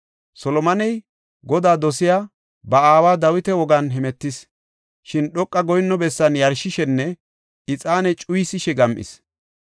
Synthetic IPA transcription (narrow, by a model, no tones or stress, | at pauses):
sɔlɔmɐnɛj | ɡɔd̪aːd̪ɔsɪjaː | bɐaːwaːd̪ɐwɪt̪ɛwɔɡɐnɦɛmɛt̪ːɪs | ʃɪnɗɔkʼːɐɡɔjnːɔbɛsːɐnjɐɾʃɪʃɛnːɛ | ɪt͡sʼaːnɛt͡ʃʼʊjsɪʃɛɡɐmʔɪ̰s